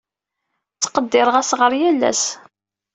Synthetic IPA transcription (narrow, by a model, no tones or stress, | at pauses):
t͡sːqəd̪ːɪɾəʁæsʁəɾjælːæ̰s